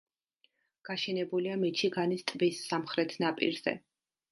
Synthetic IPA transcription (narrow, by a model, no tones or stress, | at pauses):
ɡ̥aʃɛnɛbuliamit͡ʃʰiɡanist̪ʼvisːamχɾɛt̪ʰnapʼḭɾz̥ɛ̰